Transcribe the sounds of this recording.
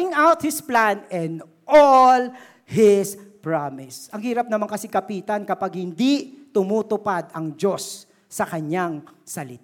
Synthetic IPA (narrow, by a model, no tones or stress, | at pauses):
ɪŋawt̪̚hɪsplanɛnd̪ | ol | hɪspɹamɪsʔɐŋhiːɾɐp̚nɐmaŋkɐsikɐpiːt̪ɐnkɐpaɡ̚hɪnd̪it̪ʊmuːt̪ʊpad̪ɐŋd͡ʒo̞sː | ɐkɐɲaŋsɐlɪt̪